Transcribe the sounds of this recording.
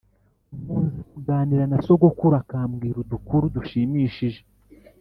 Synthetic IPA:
umuːnzekuɡaːniɾanaso̞ɡo̞kuɾakaːmɡiːɾudukuɾuduʃiːmiʃiʒe̞

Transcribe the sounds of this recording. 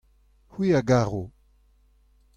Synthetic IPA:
hwiːaɡaːʁo

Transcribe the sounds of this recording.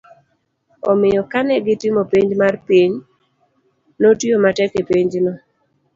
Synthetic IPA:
ɔmɪjɔkanɛɡɪtɪmopiɲd͡ʒmarpiɲ | notjomatɛkepiɲd͡ʒno

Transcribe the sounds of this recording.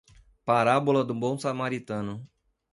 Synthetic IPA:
paɾabolɐd̪ũbõw̃samaɾit̪ɐ̃nʊ

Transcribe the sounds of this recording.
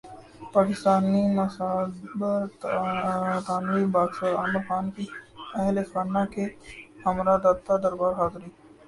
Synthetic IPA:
paːkɪst̪aːninɐsabəɾ | t̪aːnʋibaːɡsəɾaːməɾxaːnkiɛɦlexanakehɐmɾad̪aːt̪ːad̪əɾbaːɾɦaːzɾiː

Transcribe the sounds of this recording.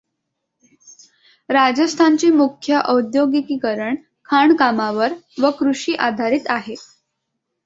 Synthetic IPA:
ɾad͡ʑəst̪ʰant͡ɕiːmukʰjəʔəwd̪joɡikiːkəɾəɳ | kʰaɳkamaʋəɾʋəkɾuʂiːʔad̪ʱaɾiːt̪aɦe

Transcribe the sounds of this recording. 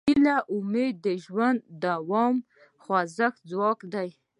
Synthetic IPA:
ilaʔʊmed̪ːəʒwand̪ːawɔm | xwazəxd͡zwɑkd̪aj

